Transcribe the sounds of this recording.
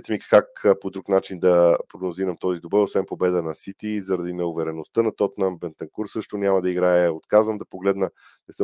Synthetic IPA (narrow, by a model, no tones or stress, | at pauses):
ɛt̪ɛmikkakpod̪ɾuknat͡ʃind̪ɐpɾoɡnoziɾɐmt̪ɔzid̪obɤɾosvɛnpobɛd̪ənɐsit̪izɐɾɐd̪inɛovɛɾɛnost̪ənɐt̪ɔt̪nəmbɛnt̪ɐŋkuɾsɤʃt̪onʲamɐd̪ɐiɡɾaɛot̪kazvəmd̪ɐpoɡlɛd̪nə | nɛsə